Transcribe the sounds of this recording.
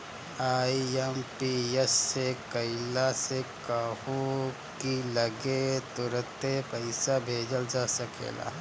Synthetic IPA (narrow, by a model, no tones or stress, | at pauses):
aːiɛmpiesːekɐɪlasekəɦu | kilɐɡet̪ʊɾət̪epɐɪsabʱeːd͡ʒəld͡ʒaːsɐkḛːla̰ː